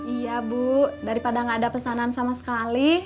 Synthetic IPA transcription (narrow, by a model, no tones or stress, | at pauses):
ijabuʔdaɾipadaŋaːdapəsanansamasə̥kali